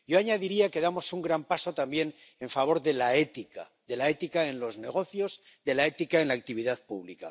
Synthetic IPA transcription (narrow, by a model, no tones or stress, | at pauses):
ɟ͡ʝo̞aɲaðiɾiake̞ðamo̞suŋɡɾampaso̞t̪ambje̞n | e̞ɱfaβ̞o̞ɾðe̞laet̪ika̰ | ðe̞lae̞t̪ikae̞nlo̞zne̞ɣ̞o̞θjo̞z | ðe̞lae̞t̪ikaenlaːk̚t̪iβiðaðpuβlika